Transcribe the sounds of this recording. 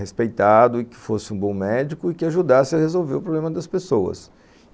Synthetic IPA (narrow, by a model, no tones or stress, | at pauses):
espejt̪ad̪ʊɪkɪ̥fosɪũbõw̃mɛd͡ʒikʊɪkɪaʒud̪asɪɐhezowveɾʊpɾoblẽmɐd̪ɐspesowɐ̰s